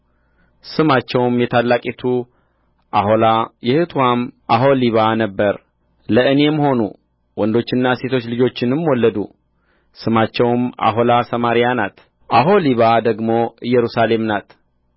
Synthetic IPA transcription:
sɨmat͡ʃːɛwmjɛt̪ʰalːakʼit̪ʰu | ʔaho̞lajɛhɨt̪ʰuwamʔaɦo̞liβanəbːəɾ | ləɨne̞məho̞nṵ | wɔnd̪o̞t͡ʃːɪnːase̞t̪ʰo̞t͡ʃːlɨd͡ʒo̞t͡ʃːɪnɨmwɔlːəd̪u | sɨmat͡ʃːɛwmʔa̰ɦo̞lasəmaɾijanat̪ | ʔaɦo̞liβad̪əɡmo̞ɨjːɛɾusale̞mnat̪

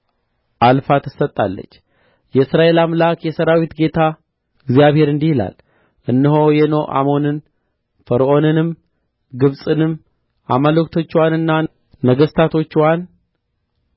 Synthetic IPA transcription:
ʔalfat̪ʰɨ̥sət̪ʼːalːə̰t͡ʃː | jɛɨsɾaʔe̞lamlakjɛsəɾawit̪ɡe̞t̪ʰa | ɨɡzijaβhe̞ɾɨnd̪ihila̰l | ʔɨnːɨɦo̞jɛno̞ʔa̰mo̞nɨn | fəɾʔo̞nɨnɨm | ɡɨβsʼɨnɨm | ʔamaləkt̪ʰo̞t͡ʃːwanɨnːa | nəɡəst̪ʰat̪ʰo̞t͡ʃːwan

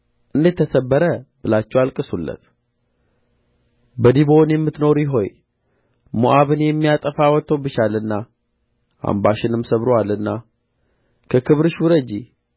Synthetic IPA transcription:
ʔɨnd̪et̪ʰːəsəbːəɾəb̥ɨlat͡ʃːɛwalkʼɨsulːə̰t̪ | bəd̪ibo̞njɛmːɨt̪no̞ɾjɪɦo̞j | moʔaβɨnjɛmːijat̪ʼəfawɔt̪ʰːəwbɨt͡ʃalɨnːa | ʔa̰mbaʃɪnɨmsəβɾoalɨnːa | kʰəkʰɨβɾɨʃwʊɾəd͡ʒi

